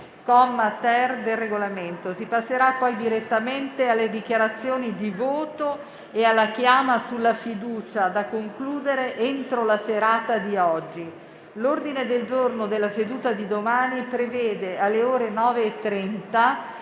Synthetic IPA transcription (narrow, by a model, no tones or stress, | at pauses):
kɔmːt̪ɛrd̪elreɡolament̪osipasːeɾapːɔjd̪iɾet̪ːament̪ealːed̪ikjaɾat̪sːjoːnid̪ivoːt̪o | ealːak̟jaːmasulːafid̪uːt͡ʃad̪akːoŋkluːd̪eɾeʔent̪ɾolaseɾaːt̪ad̪iɔd͡ʒːi | lord̪ined̪eld͡ʒornod̪elːased̪uːt̪ad̪id̪omaːnipɾevɛːd̪ealːeoːɾenɔːveːt̪ːɾɛnt̪a